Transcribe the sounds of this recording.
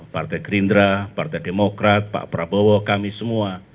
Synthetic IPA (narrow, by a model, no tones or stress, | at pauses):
part̪aɡɾind̪ɾapart̪ɛjdemokɾat̪̚pa̰ʔpɾabɔwɔkamisəmua